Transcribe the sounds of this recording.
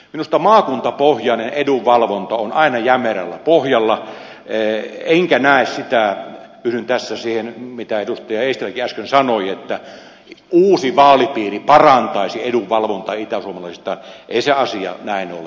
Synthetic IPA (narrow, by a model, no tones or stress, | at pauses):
minust̪ɑmɑːkunt̪ɑpohjɑˑneneduʋʋɑlʋont̪ɑonɑˑinɑjæmeræ̰lːæpohjɑlːɑ | eŋkænæˑessit̪æpysynt̪æsːæsiːhenmit̪æedust̪ɑjɑeist̪elːækiæskønsɑnoiet̪ːæ | uːsiʋɑːlipiːripɑrɑnt̪ɑˑisieduʋʋɑlʋont̪ɑit̪æsuomɑlɑˑisist̪ɑ̰ːnʔeˑiseɑsiɑ̰næˑino̰le